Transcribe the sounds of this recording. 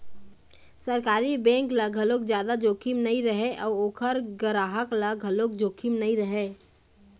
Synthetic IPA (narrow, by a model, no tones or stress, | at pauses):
səɾkaːɾibɛ̃ːŋkləɡʱəlokd͡ʒjaːd̪ad͡ʒokʰimnəiɾəɦeʔɔːɾoːkʰəɾɡəɾaɦəkləɡʱəlokd͡ʒoːkʰimnəĩɾəɦe